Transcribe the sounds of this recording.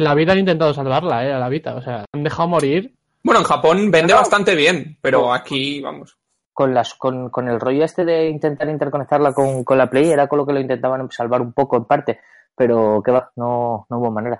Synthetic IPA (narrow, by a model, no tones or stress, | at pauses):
nlaβ̞iðanint̪e̞nt̪aðosalβaɾlaealaβit̪a̰ose̞aand̪e̞xaomo̞ɾiɾ | bwe̞noeŋxapo̞nbe̞nd̪eβast̪ant̪e̞βje̞npe̞ɾoakiβa̰mo̞s | ko̞nlasko̞nko̞ne̞lro̞ʝoest̪e̞ðe̞int̪e̞nt̪aɾint̪e̞ɾko̞ne̞k̚t̪aɾlako̞ŋko̞nlapleje̞ɾakoloke̞loint̪e̞nt̪aβansalβaɾumpo̞ko̞empaɾt̪e̞ | pe̞ɾo̞ke̞βano̞nouβo̞mãne̞ɾa